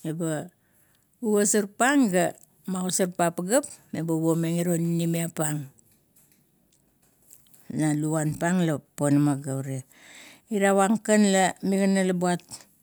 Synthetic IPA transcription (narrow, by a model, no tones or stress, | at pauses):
eba | uβasaɾpaŋɡa | maɣosaɾpapaɡapebaβomeŋiɾonnimiapaŋ | naluanpaŋlaponamaɡaɾe | iɾawaŋkanlamiɡanalabuat